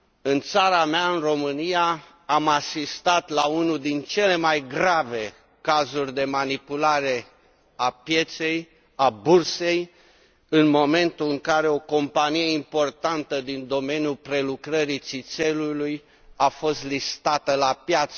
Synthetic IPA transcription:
ɨnt̪saɾameaɨnro̞mɨnijaː | masist̪at̪launud̪int͡ʃe̞le̞majɡɾave̞ | kazurʲd̪e̞manipulaɾe̞ | apje̞t̪se̞j | aburse̞j | ɨnmo̞me̞nt̪ulɨŋkaɾe̞o̞ko̞mpanije̞impo̞rt̪ant̪əd̪ind̪o̞me̞nijulpɾe̞lukɾəɾit̪sit̪se̞luluj | afo̞st̪list̪at̪əlapjat̪s

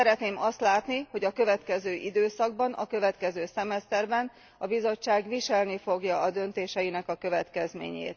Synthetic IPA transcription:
sɛɾɛt̪neːmɒst̪laːt̪niho̞ɟɒkø̞vɛt̪kɛzøːʔid̪øːsɒɡ̚bɒnɒ̰kø̞vɛt̪kɛzøːsɛmɛst̪ɛrbɛn | ɒbizo̞t͡ʃːaːɡʋiʃɛlnifo̞ɡjɒːd̪ø̞nt̪eːʃɛjinɛkɒkø̞vɛt̪kɛzmḛːɲḛːt̪̚

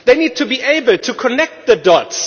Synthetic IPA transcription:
ðeɪnid̚tʰubiʔeɪbəl̩ˠtʰukʰənɛk̚t̚ðədɔts

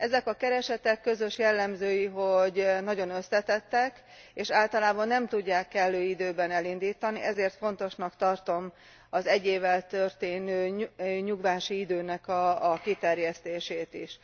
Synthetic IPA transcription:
ɛzɛkɒkɛɾɛʃɛt̪ɛkːø̞zø̞ʃjɛlːɛmzøːjiɦo̞ɟnɒɟo̞nø̞slɛt̪ɛt̪ːɛk | eːʃaːlt̪ɒlaːbɒnːɛmt̪uɟːaːkːɛlːøːid̪øːbɛnɛlind̪iːt̪ɒniɛzeːrt̪fo̞nt̪o̞ʃnɒkt̪ɒrt̪o̞m | ɒzɛɟːeːvːɛlt̪ø̞rt̪eːnøːɲuɡʋaːʃiid̪øːnɛkɒːkit̪ɛrjɛst̪eːʃeːt̪iʃ

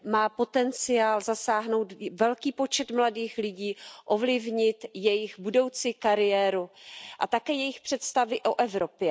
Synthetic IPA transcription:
maːpo̞t̪ɛnt͡sɪaːlzasaːɦno̞wt̪vɛlkiːpo̞t͡ʃɛt̪mladiːxlɪɟiːʔo̞vlɪvɲɪt̪jɛjɪxbudo̞wt͡sɪkaɾɪjɛːɾuʔat̪akɛːjɛjɪxpr̥ɛt̪st̪avɪʔoʔɛvɾo̞pjɛ

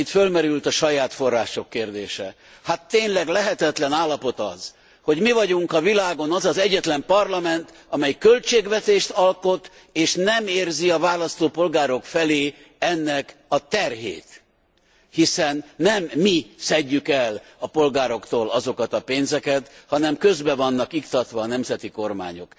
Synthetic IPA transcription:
it̪følmɛɾylt̪ɒʃɒjaːt̪fo̞rːaːʃo̞kːeːrd̪eːʃɛ | hat̪ːeːnlɛɡlɛɦɛt̪ɛt̪lɛnaːlːɒpo̞t̪ɒ̰z | ho̞ɟmivɒɟuŋkɒvilaːɡo̞nɒzɒzɛɟːɛt̪lɛmpɒrlɒmɛnt̪ | ɒmɛjkølt͡ʃeːɡʋɛt̪eːʃt̪ɒlko̞t̪ | eːʃnɛmeːrziɒvaːlɒst̪oːpo̞lɡaːɾo̞kfɛleː | ɛnːɛkɒt̪ɛrɦḛːt̪ | hisɛnːɛmːisɛɟːykɛlɒpo̞lɡaːɾo̞kt̪oːlɒzo̞kɒt̪ɒpeːnzɛkɛt̪hɒnɛmkø̞zbɛvɒnːɒkikt̪ɒt̪ʋɒːnɛmzɛt̪iko̞rma̰ːɲo̞̰k

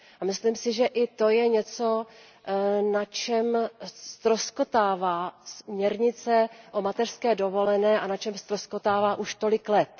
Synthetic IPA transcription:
amɪslimsɪʒɛʔɪt̪o̞jɛɲɛt͡so̞ | nat͡ʃɛmst̪ɾosko̞t̪aːvaːsmɲɛɾɲɪt͡sɛʔo̞mat̪ɛr̥skɛːdo̞vo̞lɛnɛːʔanat͡ʃɛmst̪ɾoskot̪aːvaːʔuʃt̪o̞lɪklɛt̪

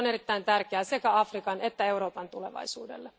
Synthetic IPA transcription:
one̞ɾit̪ːæint̪ærkeæsekæɑfrikɑne̞t̪ːæe̞wɾo̞ːpɑnt̪ule̞̰ʋɑ̰jsṵːdḛlːe

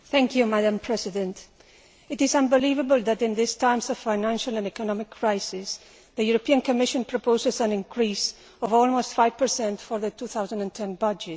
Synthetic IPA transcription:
θæ̃ŋkjumadãmpʰɾɛsiðɛ̃nt̪ | ɪt̪ɪzãmbɪlivəbəlðæt̪ɪ̃nd̪ɪstajmsɔv̥fajnãnʃalãnɛkɔnɔmɪkʰːɹajsɪs | ðəjuɾopiãnkomɪʃɔ̃npɾopoʊzɪsãnɪ̃ŋkʰɾis | ɔvɔlmostfajv̥pə˞sɛ̃nt̪fɔɾðət̪uθawzãndãntʰɛ̃nbʌd͡ʒɛt

